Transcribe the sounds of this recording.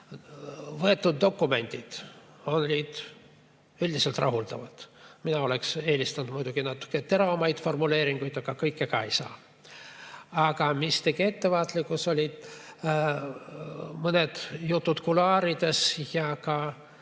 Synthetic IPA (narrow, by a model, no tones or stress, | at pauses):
vɤe̞t̪ːud̪̚ːo̞kːume̞nʲd̪ʲid̪̥ | o̞nlʲiːd̪̥ | ylʲd̪iselt̪rʔɑ̰ɦuld̪ɑ̰vɑt̪minɑo̞lekse̞ːlʲist̪ɑnud̪mujd̪uɡ̥inɑt̪ːˑu̥kːˑet̪e̞ɾɑmɑjd̪fo̞rmule̞ːɾiŋɡ̥ujd̪ɑkɑkɤjkːˑekɑejsɑ̰ː | ɑɡɑmist̪eɡie̞t̪ːe̞vɑːt̪likːˑuso̞lʲid̪̥ | mɤned̪̥jut̪ːut̪kulɑːɾid̪̥e̞sjɑkɑ